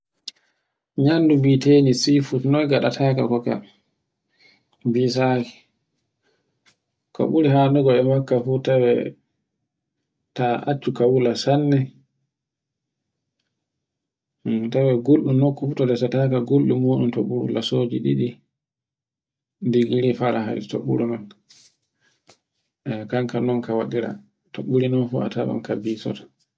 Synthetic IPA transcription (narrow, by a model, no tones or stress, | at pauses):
ɲandubitenisifutnɔjɡaɗatʰakakɔka̰ | bis̬aki̥ | kɔ̰ɓuɾihaːnduɡɔɛmakːafutawɛ̰ | taʔat͡ʃːukawulasanːɛ | tawɛɡolɗunokːufutɔdɛsatakaɡolɗumoːɗumtoɓuɾṵlasod͡ʒiɗiɗi | diɡiɾifaɾaɦa̰ɾḭto̰ɓṵɾunɔn | ɛkaŋkanɔnkawaɗiɾa̰ | toɓuɾinɔnfua̰taɓa̰mkabisɔ̰tḁ